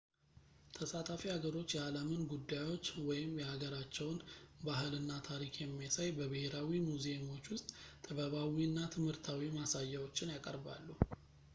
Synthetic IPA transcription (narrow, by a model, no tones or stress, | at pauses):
t̪ʰəsat̪ʰafihaɡəɾo̞t͡ʃːjɛaləmɨnɡud̪ːajwo̞t͡ʃːwɔjɪmjɛhaɡəɾat͡ʃːɛwnbaɦɨlɨnːat̪ʰaɾikʰjɛmːijasajbəβəheɾawimuzemo̞t͡ʃːwʊst̪ʼt̪ʰʼəβəβawinːat̪ʰɨmhɨɾt̪ʰawimasajːawo̞t͡ʃːɪnjakʼə̰ɾba̰lːu